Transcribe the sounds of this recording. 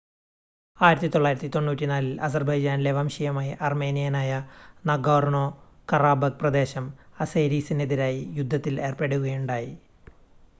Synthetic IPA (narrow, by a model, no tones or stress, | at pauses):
aːjiɾɐt̪ːit̪o̞ɭːaːjiɾɐt̪ːit̪oɳːuːtʲːinaːlilɐs̬ɐrbɐjd͡ʑaːnle̞ʋɐmɕɐjɐmaːjɐʔɐrme̞ːnijɐnaːjɐnɐɡoːrɳo̞ːkɐraːbɐɡ̚prɐd̪e̞ːɕɐmɐsejɾiːsineðiɾaːjijud̪ʱːɐt̪ːile̞ːrpeɽuɣɐjuɳɖaːji